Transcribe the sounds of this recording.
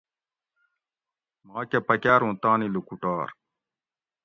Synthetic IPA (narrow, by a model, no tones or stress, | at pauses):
maːkepɐkaːɾũt̪ãːnilukuʈaːɾ